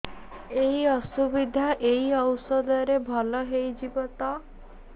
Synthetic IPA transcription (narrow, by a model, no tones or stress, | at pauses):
eɦiɔsubid̪ʱaʔeɦiɔwsɔd̪ɔɾebʱɔlɔɦejd͡ʒibɔt̪ɔ